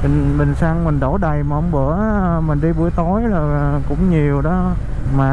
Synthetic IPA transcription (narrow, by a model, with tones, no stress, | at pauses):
ɓi˨˩ŋ̟ɓï˨˩ŋ̟saː˧ŋmï˨˩ŋ̟ɗo˧˩ɗə˨˩jmaː˨˩ʔə˧wŋ͡mɓɨ˧˩˦ə | mï˨˩ŋ̟ɗi˧ɓu˧˩əjt̪o˨˦jzo˨˩jkʊ̰˧˥ŋ͡mɲi˨˩əwɗɔ˨˦ | maː˨˩